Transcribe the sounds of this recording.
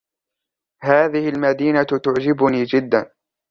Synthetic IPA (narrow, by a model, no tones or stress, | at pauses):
haːðɪhɪlmad̪iːnat̪ʊʕd͡ʒɪbʊniːd͡ʒɪd̪ːan